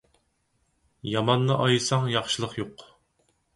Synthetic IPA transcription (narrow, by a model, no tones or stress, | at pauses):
jɑmɑnːɨʔɑjɨsɑŋjɑχʃɨlˠəχjoq